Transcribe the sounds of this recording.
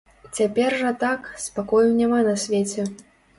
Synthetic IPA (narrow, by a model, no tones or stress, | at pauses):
t͡sʲapʲɛrʐɐt̪akspakɔjnʲɛmanɐsʲvʲet͡sʲɛ